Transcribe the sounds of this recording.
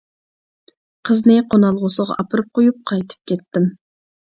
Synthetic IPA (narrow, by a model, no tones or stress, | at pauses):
qʰəznɪqʰonɑlˠʁʊsəʁɑ̰ʔɑpʰɨɾɨp̚qʰojup̚qʰɑjt̪ʰɨ̥p̚kʲʰɛt̪ːɪm